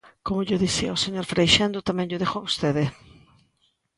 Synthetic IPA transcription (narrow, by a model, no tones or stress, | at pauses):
komoʎoðisiɐoseɲoɾfɾejʃand̪ot̪amɛ̃ŋʎʊðexoaβost̪eðɪ